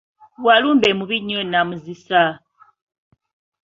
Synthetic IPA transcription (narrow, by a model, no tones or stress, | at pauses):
walumbɛmuβiɲɔnamuzisa